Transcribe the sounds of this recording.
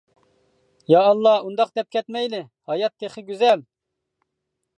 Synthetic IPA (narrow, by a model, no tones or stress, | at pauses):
jɑːlˠːɑund̪ɑqd̪ɛp̚kʲʰɛt̪mɛjlɪ | hɑjɑt̪ʰːeχɪɡʲyzɛl